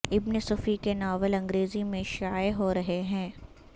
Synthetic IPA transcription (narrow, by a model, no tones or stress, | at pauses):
ɪbnesʊfikenaːʋəlɐ̃ŋɡɾeːzimẽʃaːeɦoɾɐɦeɦɛ̃ː